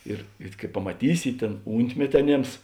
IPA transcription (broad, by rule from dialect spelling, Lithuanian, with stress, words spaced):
ˈɪr ɪr kɐɪ pɐmɐˈtʲiːsʲɪ ˈtʲeːn ˈuːnʲtʲmʲɛtʲɪ ɐˈnʲeːms